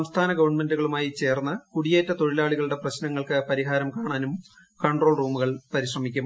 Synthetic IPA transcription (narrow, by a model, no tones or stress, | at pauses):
ɐmst̪ʰaːnɐɡɐʋɐɳme̞nduɣɐɭumaːjit͡ɕe̞ːrnːɐkuɽijeːtːɐt̪o̞ɻilaːɭiɣɐɭuɽeprɐɕnɐŋːɐɭkɨpɐɾiɦaːɾɐmkaːɳaːnum | kɐɳɖro̞ːɭruːmuɣɐɭpɐɾiɕrɐmikʲːum